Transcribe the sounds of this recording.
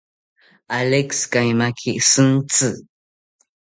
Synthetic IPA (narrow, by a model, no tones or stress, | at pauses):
alekskajmakʰiʔsɨnt͡sɨ